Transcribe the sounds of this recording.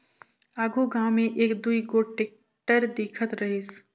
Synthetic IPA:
aːɡʱuɡãːmẽʔeːkd̪uikoʈeːk̚ | ʈəɾd̪ɪːkʰət̪ɾɐɦɪs

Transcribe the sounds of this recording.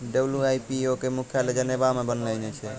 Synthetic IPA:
ɖəbljuajpiokemukʰjaled͡ʒənjebamebənlɛnɛt͡ʃʰɛ

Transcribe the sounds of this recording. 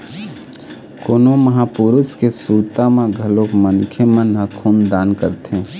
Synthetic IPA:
koːnomɐɦaːpʊɾʊskesuːɾt̪amãɡʱɐlokmənkʰemənːakʰuːmd̪aːnkəɾt̪ẽː

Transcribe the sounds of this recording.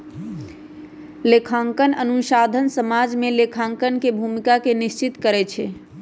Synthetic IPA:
lekʰãŋkənənuʃad̪ʱənsəmad͡ʒmelekʰãŋkənkebʱumikakenist͡ʃit̪kəɾɛt͡ʃʰɛ

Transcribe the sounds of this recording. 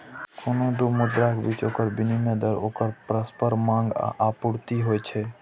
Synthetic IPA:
kʰonod̪omʊd̪ɾakbit͡ʃoːkəɾbɪnimẽd̪əɾoːkəɾpɾəspəɾmãːŋɡ̰apʊɽt̪iɦoːɛt͡ʃʰɛ

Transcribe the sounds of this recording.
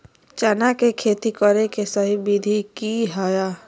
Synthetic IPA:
t͡ʃanakekʰeːt̪ikəɾekesəɦibid̪ʱikiɦajaː

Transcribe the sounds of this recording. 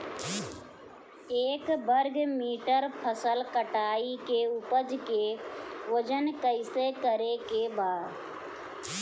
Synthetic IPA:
eːkbəɾɡmiːʈəɾpʰəsəlkəʈaːikeupəd͡ʒkeʋəd͡ʒənkəɪsekəɾekebaːd

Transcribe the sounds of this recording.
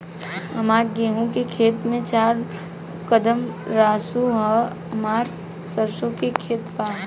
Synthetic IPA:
əmaːɾɡeːɦũkekʰeːt̪mẽt͡ʃaːɾ | kəd̪əmɾaːsuɦ | əmaːɾ | səɾsõkekʰeːt̪paː

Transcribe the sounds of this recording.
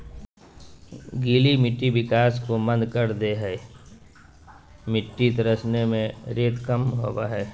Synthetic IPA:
ɡiːlimɪʈːiʋɪkaːskomə̃nd̪kəɾd̪eɦɛː | mɪʈːit̪ɾəsnemẽɾeːt̪kəmɦo̰ːwaɦɛː

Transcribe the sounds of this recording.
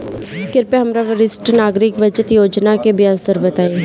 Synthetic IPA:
kɪɾpeːɦəmɾaːʋəɾɪsʈnaːɡɾɪkʋəd͡ʒət̪joːd͡ʒnaːkeːbɪjaːzd̪əɾbət̪aːeː

